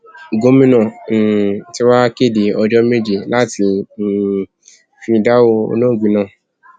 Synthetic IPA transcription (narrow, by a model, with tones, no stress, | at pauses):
ɡo˨˦mĩ˦nã˦˨ti˧˦wa˦ke˦˨de˨ɔ˧d͡ʒɔ˦me˦d͡ʒi˧˨la˦ti˨˦˨ | fĩ˧da˦wo˧o̰˧nõ˦˨ɡ͡bĩ˨nã˧˦˨